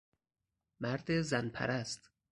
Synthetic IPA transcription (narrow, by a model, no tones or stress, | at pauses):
mæɾd̪ezænpʰæ̰ɾæst̪